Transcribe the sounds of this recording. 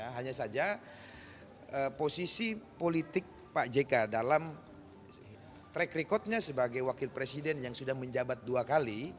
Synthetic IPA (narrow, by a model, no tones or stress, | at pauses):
aɦaɲasad͡ʒa | əposisipolit̪ɪk̚ | paʔd͡ʒekadalam | t̪ɾɛkrikɔt̪̚ɲasəbaɡajwakɪlpɾesidɛnjaŋsudahməɲd͡ʒabat̪̚duakali